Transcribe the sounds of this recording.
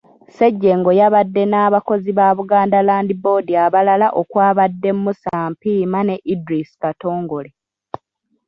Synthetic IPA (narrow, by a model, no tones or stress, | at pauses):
seɟːe̞ŋɡo̞jaβadːe̞naːβako̞ziβaːβuɡaːndalaːndibo̞ːdiaβalalaʔo̞kwaːβadːe̞mmːusaːmpiːmane̞ʔidɾisi̥kato̞ːŋɡo̞le